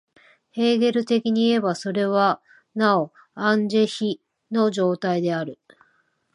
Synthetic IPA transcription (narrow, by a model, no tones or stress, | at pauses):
he̞ːɡe̞ɾɯ̟t̪e̞kʲiɲ̟ie̞baso̞ɾe̞βa | nao̞ | ãɲd͡ʑeçi | no̞ʑo̞ːt̪aid̪e̞aɾɯ̟